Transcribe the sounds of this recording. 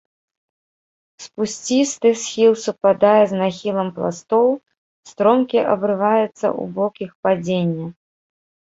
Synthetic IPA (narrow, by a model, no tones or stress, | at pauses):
spusʲt͡sʲist̪ɨxsʲxʲilˠsupad̪ajɛznaxʲilˠɐmplˠa̰st̪ɔw | st̪ɾɔmkʲiʔɐ̰bɾɨvajɛt̪sːɐ̰ʔṵbɔkʲixpad͡zʲenʲːɐ